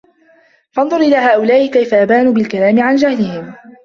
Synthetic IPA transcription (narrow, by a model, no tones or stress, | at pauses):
fɑnˤðˤʊɾʔɪlaːɦaːʔʊlaːʔɪkajfaʔabaːnuːbɪlkalaːmɪʕand͡ʒahlɪhɪm